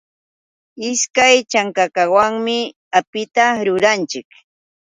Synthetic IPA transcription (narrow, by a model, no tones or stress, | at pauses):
ɪskajt͡ʃaŋkakawaŋmɪ | apɪt̪aɾʊɾant͡ʃɪk